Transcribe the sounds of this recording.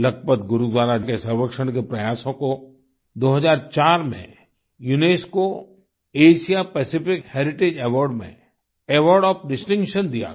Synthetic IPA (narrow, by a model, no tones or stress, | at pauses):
lɐɡ̚pət̪ɡʊɾud̪waːɾakesəɾwəkʃəɽ̃k̬epɾɐjaːsõko | d̪oːɦəzaːɾt͡ʃaːɾmḛ̃ | juneːsko | eːʃijapɛːsɪpɪkheːɾɪʈeːd͡ʒɛʋɔːɾɖmḛ̃ | ɛʋɔːɾɖɔːpɖɪsʈɪ̃ŋkʃənd̪ija̰